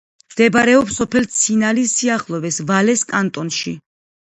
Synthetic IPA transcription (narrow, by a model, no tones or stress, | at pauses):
md̪̥ɛbaɾɛɔpsɔpʰɛlt̪sʰinalisiaχlˠɔvɛsvalɛskʼant̪ʼɔnʃi